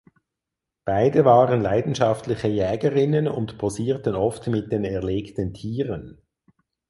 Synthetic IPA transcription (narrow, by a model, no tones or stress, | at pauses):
b̥aɪdəvaːʁənlaɪdn̩ʃɑftlɪçəjɛːɡəʁɪnənʊ̰ntpʰoziːɐtənɔftmɪt̚d̥eːnɛɐleːktəntʰiːʁən